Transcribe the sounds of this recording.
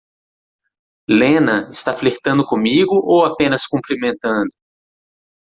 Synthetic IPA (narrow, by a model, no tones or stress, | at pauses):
lẽnɐɪst̪afleht̪ɐ̃nd̪ʊkõmiɡʊʔowapẽnɐskũmpɾimẽnt̪ɐ̃nd̪ʊ